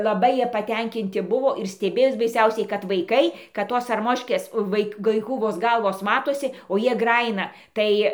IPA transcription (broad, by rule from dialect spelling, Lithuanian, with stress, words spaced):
lˠɐˈbɐɪ ˈjiɛ pɐˈtʲɛŋʲkʲɪnʲtʲɪ ˈbʊʋoː ɪr sʲtʲɛˈbʲeːjoːs bɐɪˈsʲɛʊsʲɛɪ kɐt ʋɐɪˈkɐɪ kɐt ˈtoːs ɐrˈmoːʃʲkʲeːs ˈʋɐɪk ˈʋɐɪkuː ʋoːs ˈɡɐlˠʋoːs ˈmɑːtoːsʲɪ oː ˈjiɛ ˈɡrɑːjɪnɐ ˈtɐɪ